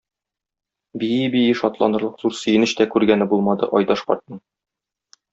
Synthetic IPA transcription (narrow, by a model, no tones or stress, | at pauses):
bijibijɘʃɒt̪lˠɑ̰nɤ̆ɾlˠɤqz̥uɾsɵ̆jɘ̆nɘɕt̪ækʉɾɡænɘbulˠmɑd̪ɤ̰ʔɒjd̪ɑʃqɒ̰ɾt̪̚ɤɴ